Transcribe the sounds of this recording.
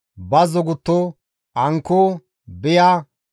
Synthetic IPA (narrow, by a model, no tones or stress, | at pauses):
bɐzɔɡʊt̪ːɔ | ʔɐŋkːo | bɛja